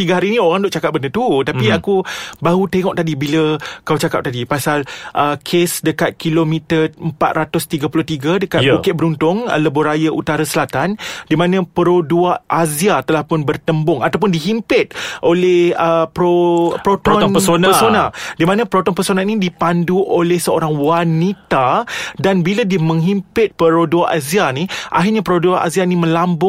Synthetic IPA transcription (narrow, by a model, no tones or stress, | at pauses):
t̪iɡaɦaɾiːnĩoɾaŋdʊʔ̚t͡ʃakap̚bənət̪ut̪apiakubaɦut̪eŋɔk̚t̪adibiləkawt͡ʃakap̚t̪adipasalʔəkʰesdəkat̪̚kilomĩt̪əəmpat̪ɾat̪ʊst̪iɡapulʊht̪iɡadəkat̪̚bukɪt̪̚bəɾunt̪ʊŋ̰ləbʊɾajaʔut̪aɾasəlat̪andimãnãpəɾoduaʔaziat̪əlahpʊnbərt̪əmbʊŋat̪awp̬ʊndiɦimpɪt̪̚ʔolɛhəpɾopɾot̪ɔsonpəsonadimanãpəɾot̪ɔnpəsonanĩdipanduʔolɛhsəoɾaŋwanit̪adanbiladiəmə̃ŋɦimpɪt̪̚pəɾoduaʔazianiʔa̰ɦɪrɲapəɾoduaʔa̰zianimə̃lambʊ